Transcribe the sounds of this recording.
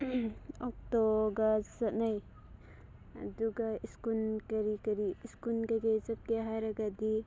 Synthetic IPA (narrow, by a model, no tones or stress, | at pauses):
ɔk̚tɔɡasat̚naj | duɡaiskunkɐɾikɐɾiiskunkaɡezap̚keɦajɾaɡadi